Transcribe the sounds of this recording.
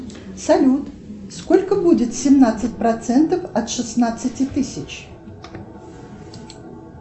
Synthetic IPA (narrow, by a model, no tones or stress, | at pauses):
sɐlʲut̪ | skolʲkəbudʲɪt̪sʲɪmnat̪sɨt̚ʲpɾɐt̪sɛnt̪əfɐt̪ʂɨsnat̪sɨtʲɪt̪ɨsʲɪt͡ɕ